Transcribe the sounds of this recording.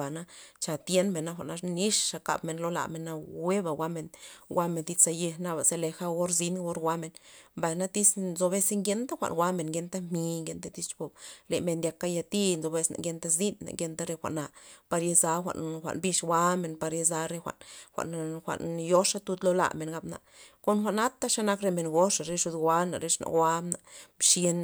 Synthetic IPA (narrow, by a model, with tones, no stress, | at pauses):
a˨na˦t͡ʃa˨t̪je˦nme˨na˦xʷa̰˨na˧ʂni˦ʂʂa˧ka̰˧bme˨nlo˧˦la̰˨me˨na˧we˦ba˨ɡʷwa˦me˧nwʷa˦me˧nd̪i˧t͡sa˧je˧na˦˧ba˨ze˧le˧xa˦ɡo˦ɾzi˦nɡo˦ɾɡʷa˧˦me˨nmba˨jna˦t̪i˦snzo˧βe˦si˦ŋɡe˧˦nt̪a˦xʷa̰˨nɡʷa˦me˨nɡe˧nt̪a˦m̥i˧ŋɡe˧nt̪a˦t̪i˧t͡ʃbo˨ble˨me˧nd̪ja˧ka˦ja˧t̪i˦nzo˧be˧sna̰˨ŋɡe˧˦nt̪a˦zi˦nːa̰˨ŋɡe˧nt̪a˦ɾe˧xʷa̰˨ʔna˨pa˧ɾje˧za˧˦xʷa̰˨ʔnxʷa̰˨ʔnbi˧ʂɡʷwa˦me˨npa˧ɾje˧za˧ɾe˧xʷa̰˨ʔnxʷa̰˨ʔnxʷa̰˨ʔnjo˦ʂa˦t̪u˧d̪lo˦la̰˨me˨nɡa˧˦bna̰˨ʔko˧nxʷa˨ʔna˦t̪a˦ʂa˦na˦kɾe˧me˨nɡo˦ʂa˨ɾe˧˦ʂu˧d̪ɡʷa˧˦na̰˨ɾe˧ʂna̰˨wʷa˦na˨ʔmʃe˧n